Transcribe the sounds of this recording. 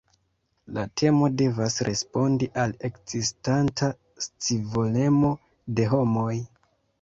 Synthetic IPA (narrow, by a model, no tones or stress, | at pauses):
latʰe̞mo̞de̞vasɾʔe̞spo̞ndiʔale̞kzistantʰa | st͡sivole̞mo̞ | de̞ɦo̞mo̞j